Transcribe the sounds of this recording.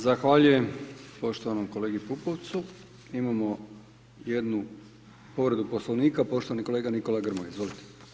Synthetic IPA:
zaxʋaːʎuje̞mpo̞ʃt̪o̞ʋanomkole̞ːɡipupo̞ʋt̪su | imamo̞ | je̞d̪nu | po̞ʋɾe̞d̪upo̞slˠoʋniːkapo̞ʃt̪oaniko̞le̞ːɡaniko̞laɡr̩mojizʋo̞lit̪e̥

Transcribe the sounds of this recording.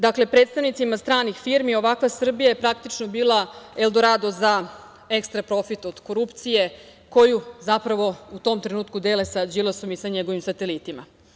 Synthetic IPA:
d̪akle̞pɾet̪st̪aʋnit̪simast̪ɾaːnixfiɾmio̞ʋakʋasr̩bijajepɾakt̪it͡ʃnobiːlˠaelˠd̪oɾad̪oza | ekst̪ɾapɾo̞fit̪o̞d̪̥koɾupt̪sije̞ko̞juzapɾaʋo̞ut̪o̞ːmt̪ɾe̞nuːt̪kud̪elesad͡ʑilaso̞misaɲeɡo̞ʋimsat̪elit̪ima

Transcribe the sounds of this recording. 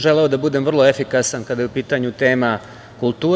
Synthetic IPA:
ʒeleod̪abud̪emvr̩lˠo̞efikasankad̪ajupiːt̪aɲut̪eːma | kulˠt̪uː

